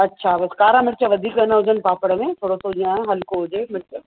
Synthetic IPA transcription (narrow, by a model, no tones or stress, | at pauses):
ɐtːʃʰaʋɐskaːɾãmɪɾt͡ʃaʋɐd̪ʱiːkʋɐnaɦod͡ʒɐnpaːpəɽmẽt̪ʰoːɽosod͡ʒiãːɦɐlkoɦod͡ʒeːmɪɾt͡ʃə